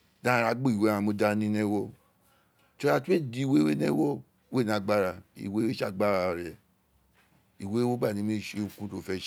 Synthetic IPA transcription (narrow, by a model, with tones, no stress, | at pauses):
dã˦ɾa˨˧ɡ͡bo˦˨i˨wẽ˨˦ã˧mo˧da˦nĩ˦nɛ̃˦wɔ˦ | to˧˦a˦˧tu˦e˦˨di˨˦i˦˨we˦we˦nɛ̃˦wɔ˦ | we˦˨nã˨ɡ͡ba˦˨ɾa˧˨ḭ˨we˦we˦a˦˨ɡ͡ba˦˨ɾa˨˧˨ɾɛ˨ | i˨we˨˦wo˦ɡ͡ba˦˨nĩ˨˦mĩ˦˨ʃe˨˦u˨kũ˦to˦˨fɛ˦ʃ